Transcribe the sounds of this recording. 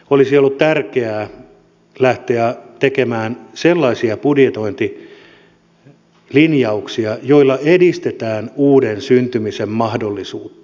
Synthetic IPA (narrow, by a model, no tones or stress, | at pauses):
olisiolːut̪t̪ærkeæː | læht̪eæt̪ekemæːnselːɑisiɑpudjet̪o̞int̪i | linjɑuksiɑjoilːɑedist̪et̪æːnuːdensynt̪ymisemmɑhdolːisuːt̪ːɑ̥